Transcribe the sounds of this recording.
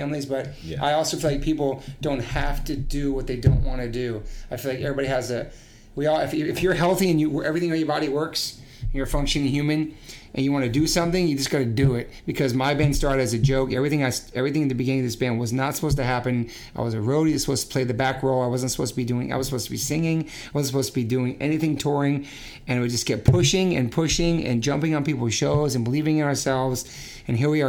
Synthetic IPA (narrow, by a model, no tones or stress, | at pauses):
æ̃mlizbʌɾ | ʔa̰ɪɔlˠsoʊfilaɪk̚pʰipl̩ˠd̥õʊ̃nt̚hæftɨdɨwʌt̪̚ðeɪdõʊ̃nʔwɑ̃nɨdɨaɪfilaɪkɛvɹibɑɾiɨzɨ | wiɔlˠɪfɪɪfjə˞ɦɛlˠθiɨ̃njɨwɛvɹiθɪ̃ŋɛvɹibɑɾiwɜ˞ks | ɨ̃njə˞fʌ̃ŋkʃɨ̃nɨ̃njʉmɨ̃nʔɨ̃njɨwɑ̃nɨdɨsʌ̃mθɪ̃ŋjɨd͡ʒʌsɡ̥ɑɾɨdɨɪt̚b̥ɨkʰʌzmaɪbæ̃nd̥stɑɹɾɨɾɨzɨd͡ʒoʊkɛvɹiθɪ̃ŋaɪsɛvɹiθɪ̃ŋɨt̪̚ðɨbɨɡɪ̃nɪ̃ŋʌvðɪsb̥æ̃nwʌznətsə̥pʰoʊstɨɦæpɨ̃n | aɪwʌzɨɹoʊlˠɾiɾɨzsə̥poʊstʰəpʰl̥eɪðɨbækɹoʊlˠaɪwʌz̃ntsə̥poʊstəbidʉɪ̃ŋʔa̰ɪwʌzsəpʰoʊstʰɨbisɪ̃ŋɪ̃ŋ | aɪwʌzn̩səpoʊstʰəbidʉɪ̃ŋʔɛ̰niθɪ̃ŋtʰɔɹɪ̃ŋ | ɨ̃nɨt̚wɨd̚d͡ʒʌsɡ̥ɛt̚pʰʊʃɪ̃ŋɨ̰̃npʰʊʃɪ̃ŋɨ̰̃nd͡ʒʌ̃mpɪ̃ŋə̃npipl̩ˠz̥ʃoʊzɨ̃n̩bəlivɪ̃ŋɨ̃nə˞sɛlˠvz̥ | ɨ̃nɦiɹwiə